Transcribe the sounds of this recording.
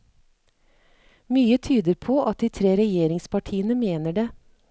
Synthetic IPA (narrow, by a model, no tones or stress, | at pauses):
myːət̪ʰyːd̪əɾpʰoːʔɑt̪̚d̪iːt̪ʰɾeːɾɛjeːɾɪŋspɑʈʰiːənəmeːnəɖeː